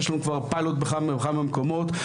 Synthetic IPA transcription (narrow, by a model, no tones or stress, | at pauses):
ʃloŋkvaʁpaɪlot̚bəχambχamɪmkomot